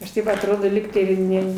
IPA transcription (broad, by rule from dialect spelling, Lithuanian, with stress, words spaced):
ɐʃ ˈtɐɪp ɐtˈroːdoː ˈlʲiːktɐɪ ɪ ˈnʲɛ